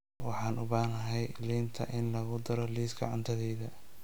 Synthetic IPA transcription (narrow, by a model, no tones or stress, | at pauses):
wɑħɑːnʔʊβaːnɐɦɛjliːnt̪ʰɐ̰ʔɪnlɐɣʊd̪ɐɾɔliːsɡɐ̰ʕʊnt̪ʰɐðɛːðɐ